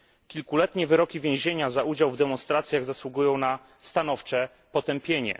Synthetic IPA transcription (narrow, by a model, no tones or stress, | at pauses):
kʲilkulɛt̪ɲɛvɘɾɔkʲivʲjẽw̃ʑeɲazaud͡ʑawvd̪ɛmɔnst̪ɾat̪sʲjaɣzaswuɡujɔ̃w̃na | st̪anɔft͡ʂɛ | pɔt̪ɛmpʲjeɲɛ̰